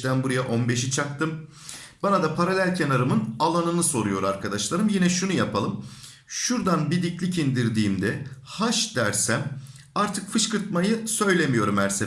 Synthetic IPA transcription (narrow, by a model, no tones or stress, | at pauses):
t̪ænbuɾajaʔo̞nbe̞ʃ̬it͡ʃʰak̚t̪ʰɯm | b̥anad̪apʰaɾalʲælʲcʰenaɾɯmɯnalˠanɯnɯso̞ɾujo̞ɾaɾkʰad̪aʃlˠaɾɯmjinɛʃunujapʰalˠɯm | ʃuɾd̪anbid̪iclʲicind̪iɾd̪iːmd̪ɛhaʃd̪̥æɾsæm | aɾt̪ʰɯkfɯʃkɯɾt̪̚majɯsø̞jlʲe̞mijo̞ɾumæɾse